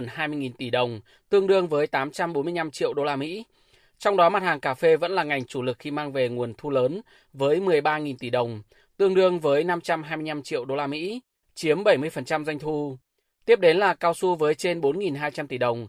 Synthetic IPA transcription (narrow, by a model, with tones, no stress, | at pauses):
nɦaː˧jmɨ˧əjŋi˨˩nt̪i˧˩ɗə˨˩wŋ͡m | t̪ɨ˧əŋɗɨ˧əŋvəː˨˦jt̪aː˨˦mt͡ɕa˧mɓo˨˦nmɨ˧əjna˧mt͡ɕḭ˧˨əwɗo˧laː˧mḭ˧˥ | t͡ɕɔ˧wŋ͡mɗɔ˨˦ma˨˩t̚haː˨˩ŋkaː˧˩fe˧və̰˧˥nlaː˨˩ŋa˨˩jŋ̟t͡ɕu˧˩lɨ˨˩k̚xi˧maː˧ŋve˨˩ŋu˨˩ənt̪ʰu˧ləː˨˦n | vəː˨˦jmɨ˨˩əjɓaː˧ŋi˨˩nt̪i˧˩ɗə˨˩wŋ͡m | t̪ɨ˧əŋɗɨ˧əŋvəː˨˦jna˧mt͡ɕa˧mɦaː˧jmɨ˧əjna˧mt͡ɕḭ˧˨ə˨wɗo˧laː˧mḭ˧˥ | t͡ɕi˨˦əmɓə˧˩jmɨ˧əjfə˨˩nt͡ɕa˧mza˧jŋ̟t̪ʰu˧ | t̪i˦˥əp̚ɗe˨˦nlaː˨˩kaː˧wsu˧vəː˨˦jt͡ɕe˧nɓo˨˦nŋi˨˩nɦaː˧jt͡ɕa˧mt̪i˧˩ɗə˨˩wŋ͡m